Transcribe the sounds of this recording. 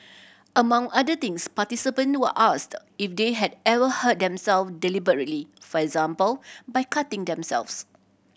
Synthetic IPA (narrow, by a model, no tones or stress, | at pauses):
ʔəmãŋadət̪ɪ̃ŋspatisipə̃nwəʔast | ifdeɦɛdɛvəhət̚d̪ɛ̃msɛlfdɛlibəɹət̚lifɔɛkzãmpəlbajkʰatɪ̃ŋdɛ̃msɛ̰lfs